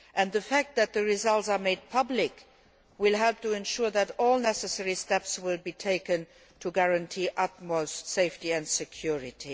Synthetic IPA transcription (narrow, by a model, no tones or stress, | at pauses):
ʔɛ̃nðəfæk̚t̪̚ðæt̪̚ðəɹizʌltsameɪd̚pʰʌblɪk | wɪlɦɛlp̚tʰuɛ̃nʃuɹðætɔːlˠnɛsəsɛɹistɛpswɪlbiːtʰeɪkə̃n | tʰuɡæɹə̃ntʰiːʔʌt̚moʊstseɪftiæ̃ntsəkʰjuɹɪtʰi